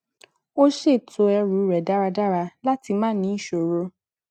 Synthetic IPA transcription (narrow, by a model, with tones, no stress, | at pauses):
o˦ʃe˦˨to˨˧ɛ˧ɾu˨˦˨ɾɛ˨da˦ɾa˧da˦ɾa˧la˦ti˧mãː˦nĩ˨˦i˦˨ʃo˨ɾo˧˦